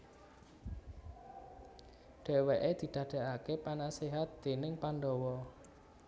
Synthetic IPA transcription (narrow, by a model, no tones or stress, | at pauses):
ɖ̥ɛ̤weʔed̪̥i̤d̪̥ä̤ɖ̥ɛ̤ʔakepanaseɦat̪̚d̪̥e̤nɪŋpanɖɔwɔ